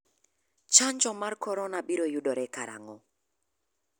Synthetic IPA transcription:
t͡ʃaɲd͡ʒɔmarkɔɾɔnabiɾojudɔɾɛkaɾa̰ŋɔ

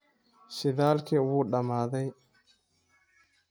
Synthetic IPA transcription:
sɪðaːlkʰiwuːɗɐmaːðɛj

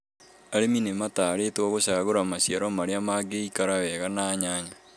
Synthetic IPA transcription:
aɾeminemataːɾetwɔɣoɕaːɣoɾamaɕijaɾɔmaɾeamaɡeikaɾawɛɣanaːɲaːɲa

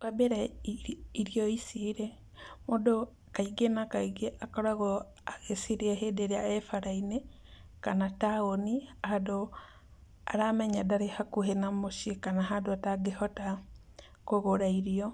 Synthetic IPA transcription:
βabeɾɛ | iɾiɔisiɾe | modo | kaiɡenakaiɡeʔakɔɾaɣɔ | aɣesiɾeaɦedeɾeaɛfaɾaine | kanataoniahado | a̰ɾamɛɲadaɾehakuhenamoʃikanaɦadoataɡehɔta | koɣoɾaiɾiɔ

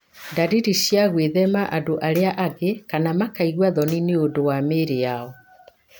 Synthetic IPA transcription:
ndaɾiɾiɕjaɣweðɛmaʔadoʔaɾeaʔaɣekanamakaiɣwaðɔnineodowameɾejaɔ

